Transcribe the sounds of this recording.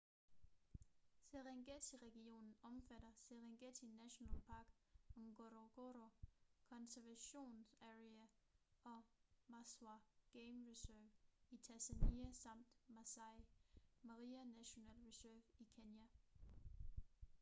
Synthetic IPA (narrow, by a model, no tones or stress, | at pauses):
seʁeŋɡ̥et͡sʰiʁɛɡ̥io̝̰ːnn̩ɒ̽mfæɾ̥ɐseʁeŋɡ̥et͡sʰinæɕo̝nɛ̰lpʰɑ̈ːɡ̥ɒŋɡ̥oɾoɡ̥oɾokʰɒ̽nsæɐʋæɕo̝̰ːnsæʁiæʔɒ̽mɑsɑɡ̥eɪmʁisøʋit͡sʰæsæniæsɑ̈m̰d̥mɑ̈sɑɪmɑʁiænæɕo̝nɛ̰ːlʁisøɐʋikʰenjæ